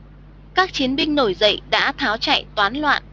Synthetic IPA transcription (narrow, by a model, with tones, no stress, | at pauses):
kaː˦˥k̚t͡ɕi˨˦ənɓï˧ŋ̟no˧˩jzə̰˧˨jɗa̰ː˧˥t̪ʰaː˨˦wt͡ɕa̰ː˧˨jt̪waː˨˦nlwa̰ː˧˨n